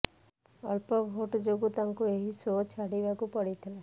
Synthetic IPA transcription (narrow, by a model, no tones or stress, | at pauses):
ə̰lpɔbʱoʈd͡ʒoɡut̪aŋkueɦisot͡ʃʰaɽibakupəɽit̪ʰile